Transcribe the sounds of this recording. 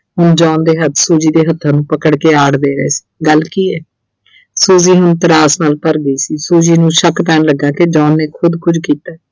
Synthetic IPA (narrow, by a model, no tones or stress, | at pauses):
ɦʊnd͡ʒɔːnd̪eːɦət̪ʰsuːd͡ʒiːd̪eːɦət̪ʰːãːnũːpəkəɽkeːaːɽd̪eːɾəeːsi̥ːɡəlkiːɛː | suːziːɦʊnt̪əɾaːsnaːlpəɾɡəiːsiːsuːd͡ʒiːnũːʃəkt̪ɛːnləɡːãːked͡ʒɔːnːeːkʰʊd̪kʊd͡ʒkiːt̪aːɛ